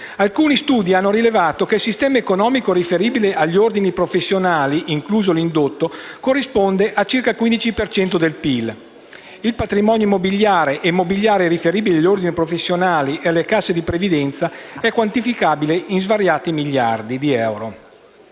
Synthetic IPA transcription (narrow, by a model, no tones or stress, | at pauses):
alkuːnist̪uːd̪ianːoɾilevaːt̪okeilsist̪ɛːmaekonɔːmikoɾifeɾiːbileʔaʎːiord̪inipɾofesːjonaːliʔiŋkluːzolind̪ot̪ːokorːispond̪eʔat͡ʃirkalkwind̪it͡ʃipert͡ʃɛnt̪od̪elpil | ilpat̪ɾimɔːnjoimːobiʎːaːɾeʔemːobiʎːaːɾeɛɾifeɾiːbileaʎːord̪inipɾofesːjonaːliʔealːekasːed̪ipɾevid̪ɛnt̪saɛkːwant̪ifikaːbileinzvaɾjaːt̪imiʎːard̪id̪iɛwɾo